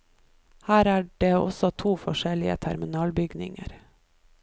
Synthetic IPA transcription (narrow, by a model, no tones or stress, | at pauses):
hæːɾæːɖeːɔ̰sɔt̪ʰuːfɔʃɛlɪə̰t̪ʰæɾmɪnɑːlbʏɡnɪ̰ŋə̰ɾ